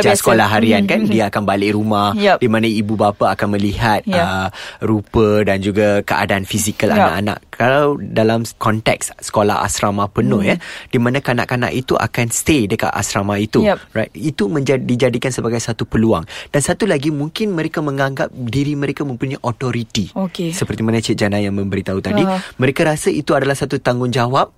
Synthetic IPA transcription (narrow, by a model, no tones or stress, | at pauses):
d͡ʒsəkolahɦaɾiankandiaakanbalɪʔɾumahdimãnaibubapaːkanmə̃liɦat̪̚əɾupədand͡ʒuɡakəʔa̰daanfisikəla̰na̰ʔana̰ʔkʰalawdalamkɔnt̪ɛ̰kssə̥kola̰ɦa̰sɾamapənʊhjad̥imãnakana̰ʔkana̰ʔit̪uʔa̰kanst̪edəka̰t̪a̰sɾamait̪urajt̪̚it̪umə̃ɲd͡ʒadid͡ʒadikansəbaɡajsat̪upəlua̰ŋd̥ansat̪ulaɡimuŋkɪnmə̃ɾekamə̃ŋãŋɡap̚diɾimə̃ɾekamə̃mpuɲaʔɔt̪ɔɾit̪ikesəpərt̪imanãt͡ʃit̚d͡ʒanajaŋmə̃mbəɾit̪aɦut̪adimə̃ɾekaɾasaʔit̪uadalahsat̪ut̪aŋɡʊŋd͡ʒawap̚